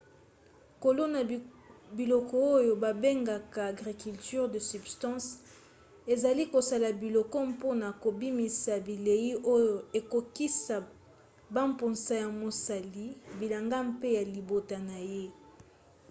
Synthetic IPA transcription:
ko˨lo˦na˨ | bi˨lɔ˨kɔ˦o˦jo˨ba˨be˦ŋɡa˨kaː˨ɡʁi˨ky˨lty˦ʁdə˨sy˨bstɑ̃˦s | e˨za˨li˦ko˨sa˨la˨bi˨lɔ˨kɔ˦mpo˦na˨ko˨bi˦mi˨sa˨bi˨le˨ji˦o˦jo˨e˨ko˨ki˦sa˨ | ba˦mpo˨nsa˦ja˨mo˨sa˨li˦bi˨la˨ŋɡa˦mpe˦ja˨li˨bo˨ta˨na˨je˦

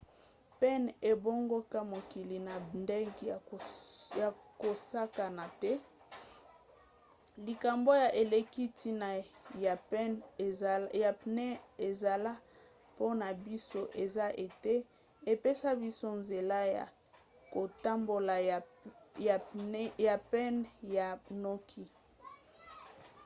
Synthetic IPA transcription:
pɛ˦ne˨bo˦ŋɡo˦ka˦mo˨ki˨li˨na˨nde˦ŋɡi˨ | ja˨ko˨sa˦ka˨na˨tɛ˦ | li˨ka˨mbo˦ja˨ʔe˨le˨ki˦ti˦na˨ | ɛ˦n˨ | ja˨nɛ˦e˨za˨la˦ | po˦na˨bi˦so˦ʔe˨za˦ʔe˨te˦ | e˨pe˦sa˦bi˦so˦nze˨la˦ja̰˨ | ko˨ta˦mbo˨la˨a˨˦ja˨pɛ˦nja˨nɔ˦kʰi˦

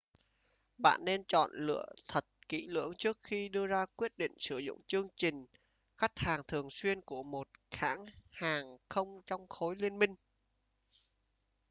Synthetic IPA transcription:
ɓa̰ː˧˨nːe˧nt͡ɕɔ̰˧˨nlɨ̰˧˨ət̪ʰə˨˩t̚kḭ˧˥lɨ̰˧˥əŋt͡ɕɨ˦˥ək̚xi˧ɗɨ˧əzaː˧kwi˦˥ət̚ɗḭ̈˧˨ŋ̟sɨ˧˩zʊ̰˧˨ŋ͡mt͡ɕɨ˧əŋt͡ɕï˨˩ŋ̟ | xa˦˥k̚haː˨˩ŋt̪ʰɨ˨˩əŋswi˧ənku˧˩əmo˨˩t̚xaː˧˥ŋhaː˨˩ŋxə˧wŋ͡mt͡ɕɔ˧wŋ͡mxo˨˦jli˧ənmï˧ŋ̟

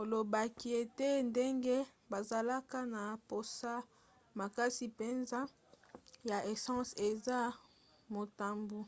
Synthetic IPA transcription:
ko˨lo˨ba˨ki˦e˨te˦nde˦ŋɡe˦ | ba˨za˨la˦ka˦na˨po˨sa˦ | ma˨ka˦si˨pe˨nza˦ | ja˨ʔe˨sɑ̃˦se˨za˦ | mo˨ta˦mbu˦

